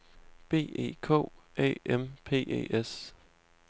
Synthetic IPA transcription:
b̥e̝̰ːe̝̰ːkʰɔ̰̽ːɛ̰ːempʰe̝̰ːʔḛːes

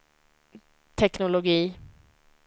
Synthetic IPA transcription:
t̪ʰɛknʊlʊɡiː

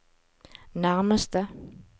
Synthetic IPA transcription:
naʁməst̪ə

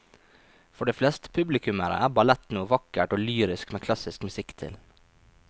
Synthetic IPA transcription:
fɔɖeːflɛst̪ə̥pʰʉblɪkʉməɾə̰ʔæːbɑlɛt̪nuːʋɑkəʈoːlyːɾɪskmeːkʰlɑsɪskmʉsɪkt̪ʰɪ̰l

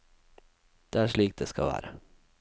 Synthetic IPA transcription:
d̪̥eːæːʃɭiːk̚t̚d̪eːskɑ̰ʋæ̰ːɾə

